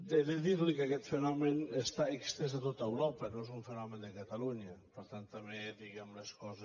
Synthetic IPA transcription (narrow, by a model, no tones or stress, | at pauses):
d̪eðeðiɾlikakɛt̪fenɔmenest̪aekst̪ezðat̪ot̪aewɾɔpɐnõezuɱfenɔmend̪əkat̪aluɲɐpəɾt̪ant̪ːamed̪iɣɛmleskɔzə